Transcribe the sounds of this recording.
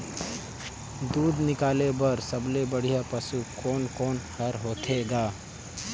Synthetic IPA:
d̪uːd̪nɪkaːlebəɾsəblebəɽ̤ijapəsukoːnkoːnhəɾɦoːt̪ʰeɡaː

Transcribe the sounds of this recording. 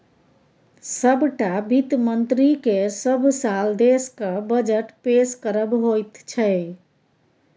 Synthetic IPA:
səbʈabit̪mənt̪ɾikesəbʱsald̪eskəbəd͡ʒəʈpeskəɾəbɦojt̪t͡ʃʰɛ

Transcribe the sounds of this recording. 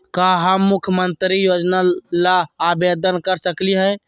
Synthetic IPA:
kaɦəmːukʰjəmənt̪ɾijod͡ʒnalaːbed̪ənkəɾsəkliɦɛ

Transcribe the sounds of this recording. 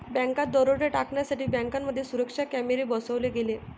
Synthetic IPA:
bɛ̃ŋkat̪̚d̪ɔɾoʈeʈakɳjasaʈiːbæ̃ŋkamːəd̪ʱːjesuɾəkʂakæmeɾebɔsəʋleɡele

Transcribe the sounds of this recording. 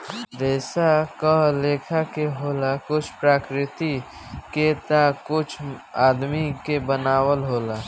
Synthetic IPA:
ɾɛːsakaɦleːkʰakeɦoːlakʊt͡ʃʰpɾaːkɾɪt̪i | ket̪akʊt͡ʃʰaːd̪mikebənaːwəlɦoːla

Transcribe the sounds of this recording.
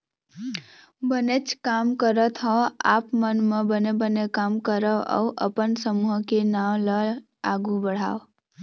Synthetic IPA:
bənet͡ʃʰkamkəɾət̪ʰɦɔ̃a̰pmənmebənebənekamkəɾəə̰wʔə̰pənsəmuɦkenaw̃lə | aɡubəɽ̤a̰w

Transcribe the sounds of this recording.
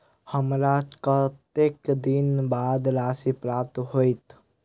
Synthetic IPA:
həmɾakət̪ekd̪inbaːd̪ɾaːsipɾap̚t̪ɦoit̪

